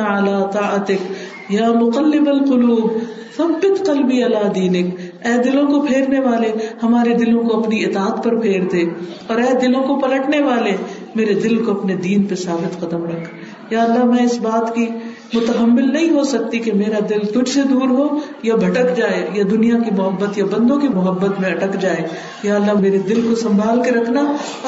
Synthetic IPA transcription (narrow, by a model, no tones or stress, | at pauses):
ɐlaːt̪aːət̪ɪk | jaːmʊqɐlːɪbɐlqʊluːb | θɐbːɪt̪qɐlbiɐlaːd̪iːnɪkɛːd̪ɪlõkopʰeːɾneʋaːlehɐmaːɾed̪ɪlõkoɐpniɪt̪aːət̪pɐɾpʰeːɾd̪eː | ɔːɾɛːd̪ɪlõkopɐlɐʈneʋaːle | meːɾed̪ɪlkoɐpned̪iːnpesaːbɪt̪qɐd̪əmɾɐkʰ | jaːɐlːamɛ̃ːɪsbaːt̪ki | mʊt̪əɦəmːɪlnɐɦĩɦosɐk̚t̪ikemeːɾad̪ɪlt̪ʊd͡ʒsed̪uːɾɦo | jabʱɐʈəkd͡ʒaːejad̪ʊnijakimʊɦəbːət̪jabɐ̃nd̪õkimʊɦəbːət̪mẽɐʈəkd͡ʒaːe | jaːɐlːaɦmeːɾed̪ɪlkosɐ̃mbʱaːlkeɾɐkʰna